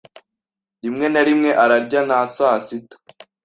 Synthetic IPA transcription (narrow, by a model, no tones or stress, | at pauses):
ɾimŋe̞naɾimŋe̞ʔaɾaɾɟanasaːsitḁ